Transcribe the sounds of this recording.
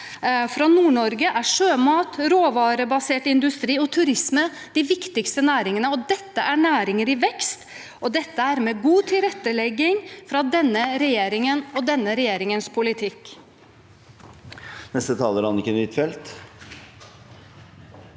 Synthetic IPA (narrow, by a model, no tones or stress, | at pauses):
fɾɑnuːɳɔɾɡəʔæʂøːmɑːt̪ɾoːʋɑːɾəbɑseːʈɪnd̪ʉst̪ɾiːɔt̪ʰʉɾɪsmə | d̪ɪʋɪkt̪ɪkst̪ənæːɾɪŋənəɔd̪ɛt̪ːəʔæɳæːɾɪŋəɾɪʋɛkst̪ | ʔɔd̪ɛt̪ːəæɾmɛːɡuːt̪ʰɪlɾɛt̪ːəlɛɡːɪŋfɾɑd̪ɛnːəɾɛjeːɾɪŋənɔd̪ɛnːəɾɛjeːɾɪŋənspʰʊlɪt̪ʰɪkː | nɛst̪ət̪ʰɑːləɾɑnɪkːəɛnʋɪt̪fɛlt̪